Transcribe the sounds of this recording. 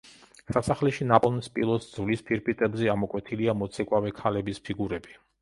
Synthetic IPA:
sasaχlɛʃinapʼɔlnspʼḭlˠɔt̪sd̪z̥vlispʰiɾpʰʼit̪ʼɛbzɛamɔkʼwɛt̪ʰiliamɔt̪sʰɛkʼwavɛkʰalɛbispʰiɡuɾɛbi

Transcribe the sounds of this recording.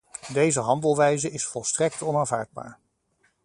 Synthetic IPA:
dejzəɦɑndəlˠʋɛjzəɪsfɔlˠstrɛk̚tɔnaːnvaːɹd̚ba̰ːɹ

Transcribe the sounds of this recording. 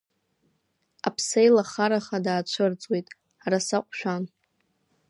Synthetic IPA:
a̰pʰsejlaχaɾaχadaːt͡ʃʷʰɨrt͡sʼwejtʼ | aɾasaqʷʼʃᶣan

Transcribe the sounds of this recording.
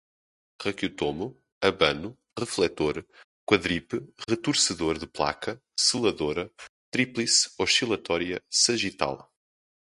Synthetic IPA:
ʁɐkjut̪omu | ɐβɐnu | ʁɨflˠɛt̪oɾ | kwɐðɾipɨʁɨt̪uɾsɨðoɾðɨplˠa̰kɐ | sɨlˠɐðoɾɐt̪ɾiplˠisɔʃilˠɐt̪ɔɾiɐsɐʒit̪a̰lˠ

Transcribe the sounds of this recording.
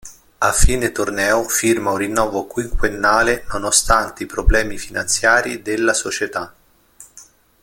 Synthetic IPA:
afːiːnet̪ornɛːofirmaunrinːɔːvokwiŋkwenːaːlenonost̪ant̪eipɾoblɛːmifinant̪sjaːɾid̪elːasot͡ʃet̪a

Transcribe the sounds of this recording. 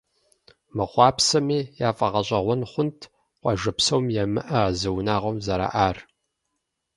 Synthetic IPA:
mɨχʷɑːpsɐmiːjaːfʼɐʁɐɕʼɐʁʷɔnχʷʊntʰ | qʷɑʒɐpsɐwmjɛmɨʔɐazɐwnaːʁʷɔmzɐɾa̰ːʔaːr

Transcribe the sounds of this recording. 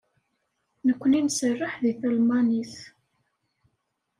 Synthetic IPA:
nəkʷːninsərːəħðiθælmɑniθ

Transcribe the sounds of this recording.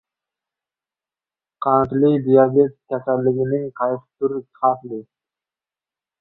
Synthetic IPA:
qʰɑnt̪lɪkʲd̪ijɑbet̪̚kʲʰɛsælːɪɡʲɪnɪŋqʰɑjt̪ɨ̥t̪uɾɪkχʰɑt̪lɪ

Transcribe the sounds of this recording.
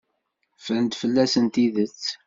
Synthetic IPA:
fənt̪fəlːæsənt̪iðət͡sː

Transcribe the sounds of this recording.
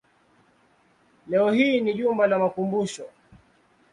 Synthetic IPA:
lɛɔhiːniʄumbalamakumbuʃɔ

